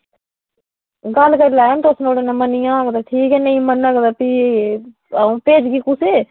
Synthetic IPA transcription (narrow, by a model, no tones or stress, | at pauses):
ɡɐlkəɾlaːnt̪osnoːɽenãmənijãːɡd̪aːʈʰiːkɛːnɐ̃ĩmənaːɡd̪aːpi | peːd͡ʒɡiːkʊse